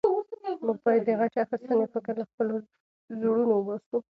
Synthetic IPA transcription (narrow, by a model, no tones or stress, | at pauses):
məɡ̚bɑjad̪ːəɣaʈeaxɪst̪ənepəkəɾlaxpəlo | zuɽunowəbasu